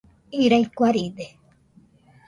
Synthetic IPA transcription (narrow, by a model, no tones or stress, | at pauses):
iɾaikʷaɾide